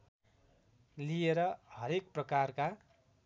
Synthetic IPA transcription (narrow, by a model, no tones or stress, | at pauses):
lieɾʌhʌɾek̚prʌkarka